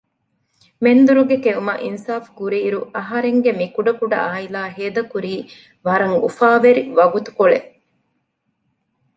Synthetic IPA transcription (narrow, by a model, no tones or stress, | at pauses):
mend̪uɾuɡekeumɐʔinsaːfkuɾiːɾuʔɐɦɐɾeŋɡemikuɖɐkuɖɐ̰aːilaːɦeːd̪ɐkuɾiː | ʋɐɾɐŋṵfaːʋeɾiʋɐɡut̪u̥koɭe